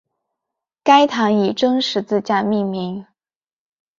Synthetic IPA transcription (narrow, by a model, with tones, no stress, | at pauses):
ka˥ɪt̪ʰa˧˥ŋi˨˩ʈ͡ʂɤ˥ŋʂɻ̩˧˥t͡sɹ̩˥˧t͡ɕja˥˧mi˥˧mi˧˥ŋ